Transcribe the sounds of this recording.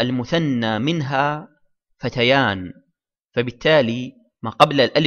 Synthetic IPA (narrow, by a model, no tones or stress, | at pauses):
ʔalmʊθanːaːmɪnɦaː | fat̪ajaːn | fabɪt̪ːaːli | maːqɑblalʔal